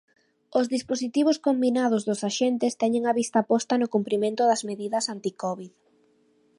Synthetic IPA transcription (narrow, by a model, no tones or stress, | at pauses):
ozðisposit̪iβ̞oskombinað̞ʊzðʊsaʃent̪ɪst̪ɛɲeŋaβist̪apɔst̪ɐnʊkumpɾimẽnt̪ʊðɐzmeðiðɐsant̪ikɔβið